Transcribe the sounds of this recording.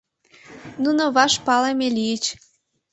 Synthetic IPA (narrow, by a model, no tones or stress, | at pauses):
nunoβɑʃpɑlemʲelijət͡ɕ